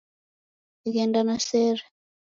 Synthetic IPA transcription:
iɣɛndanasɛːɾɛ

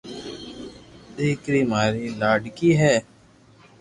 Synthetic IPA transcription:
d̪iːkɾiːmaːɾiːlaːɖkiːɦɛː

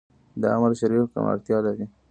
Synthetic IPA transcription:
d̪əamaɾʃaɾifka̰ma̰ɾt̪jɑlaɾi

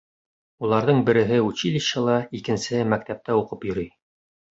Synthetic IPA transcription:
ulˠɑɾðɤɴbɘ̆ɾɘ̆ɦɘut͡ɕilʲiɕɤlˠɑikɘ̆nsɘmæk̚t̪æp̚t̪æuqɤpjɵ̆ɾyj

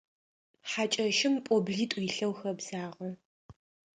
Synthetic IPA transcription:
ħat͡ʃʼɐʃɪmpʼɔbɮiːtʼjːɬɐwxɐbz̥aːʁɐ

